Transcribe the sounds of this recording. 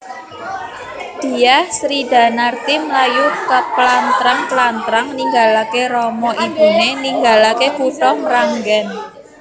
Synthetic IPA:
d̪̥i̤ahsɾida̤nart̪imlajukəplant̪ɾaŋt̪lant̪ɾaŋniŋɡalakeɾɔmɔʔib̥ṳneniŋɡalakekuʈɔŋɾaŋɡɛn

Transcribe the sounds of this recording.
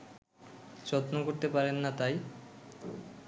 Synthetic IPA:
t͡ɕɔt̪nokoɾt̪epaɾenːat̪aj

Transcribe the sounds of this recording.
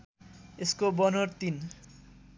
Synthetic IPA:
eskobɔnoɾt̪in

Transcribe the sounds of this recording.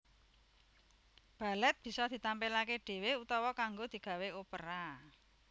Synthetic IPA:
b̥a̤lɛt̪̚b̥i̤sɔd̪̥i̤t̪ampelakeɖ̥e̤weut̪ɔwɔkaŋɡod̪̥i̤ɡ̥ä̤weopəɾa

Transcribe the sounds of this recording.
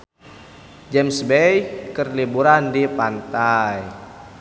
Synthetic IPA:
d͡ʒɛmsbejkərlibuɾandipant̪aj

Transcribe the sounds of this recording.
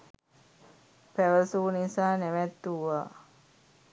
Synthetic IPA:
pæʋəsunisaːnɛʋɛt̪ːuʋaː

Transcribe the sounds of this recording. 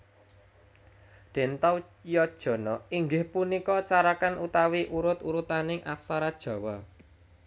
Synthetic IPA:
d̪̥e̤nt̪aw | jɔd̥ʒ̥ɔ̤nɔiŋɡɪhpunikɔt͡ʃaɾakanʔut̪awiʔuɾʊt̪uɾut̪anɪŋʔaksaɾad̥ʒ̥ɔ̤wɔ

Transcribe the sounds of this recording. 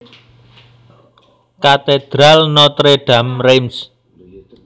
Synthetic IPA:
kat̪ed̪̥ɾalnɔt̪ɾeɖ̥ä̤mrejms

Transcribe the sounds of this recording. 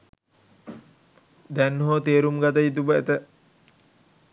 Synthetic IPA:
d̪ɛnɦoːt̪eːɾumɡat̪əjit̪̬ubəet̪ə

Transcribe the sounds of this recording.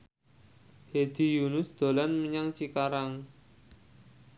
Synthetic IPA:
hed̪̥i̤junʊsd̪̥o̤lanməɲaŋt͡ʃikaɾaŋ

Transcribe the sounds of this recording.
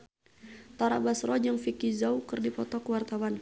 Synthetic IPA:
t̪aɾa̰basɾɔd͡ʒaŋfikizawkərdipɔt̪ɔkəwart̪awan

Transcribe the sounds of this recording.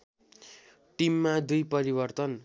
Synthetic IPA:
ʈimːad̪ujpʌɾibʌrt̪ʌn

